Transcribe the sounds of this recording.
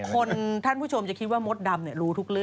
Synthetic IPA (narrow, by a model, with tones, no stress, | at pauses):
kʰo˧nt̪ʰa˥˩npʰu˥˩t͡ɕʰo˧mt͡ɕa˨kʰi˦˥waː˥˩mo˦˥t̪̚da˧mni˥˩ɾuː˦˥t̪ʰu˦˥k̚ɾɯ˥˩